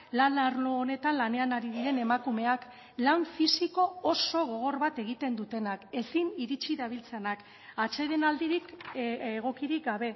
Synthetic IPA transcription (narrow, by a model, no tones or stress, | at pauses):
lanaɾloːne̞t̪anlane̞anaɾiðiɾe̞ne̞makume̞ak | laɱfisiko̞oso̞ɣ̞o̞ɣ̞o̞ɾβat̪e̞ɣ̞it̪e̞nd̪ut̪e̞nake̞siniɾit͡ʃiðaβ̞ilt͡senak | at͡ʃe̞ðenald̪iɾikeɣ̞o̞kiɾik̚ɡaβ̞e̞